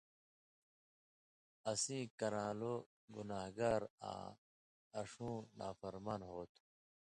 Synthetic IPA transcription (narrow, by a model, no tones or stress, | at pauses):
ɐsĩːkɐɾãːlo | ɡunaːɦɡaːɾã̰ː | ɐʂũːna̰ːfɐɾmaːnɦoːt̪ʰu